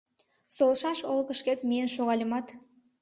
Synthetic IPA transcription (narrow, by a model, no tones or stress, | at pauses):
solˠʃɑʃolˠkəʃket̪mʲenʃoʁɑlʲimɑt̪